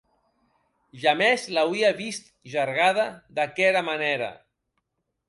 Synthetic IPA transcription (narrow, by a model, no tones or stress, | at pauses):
ʒamezlawiaβist̪̚ | ʒaɾɣaðad̪akɛɾamaneɾa̰